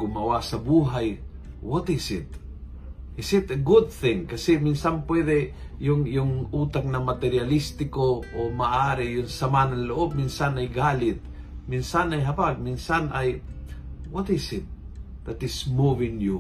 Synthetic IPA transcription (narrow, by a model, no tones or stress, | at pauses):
ɡʊmɐwasɐbuːɦaj | wɔt̪ɪsɪt̪ | ʔɪsɪt̪əɡʊd̪̚θɪ̃ŋkɐsɛmɪnsanpwɛd̪ɛ | jʊŋjʊŋuːt̪ak̚nɐmat̪ɛɾjalist̪ɪkoʔomaʔaːɾɪjʊŋsɐmanɐŋlʊʔob̚minsanajɡaːlɪt̪̚ | minsanajɦɐbaɡ̚minsanaj | wɔt̪ɪsɪt̪̚ | d̪at̪ɪsmuvɪŋju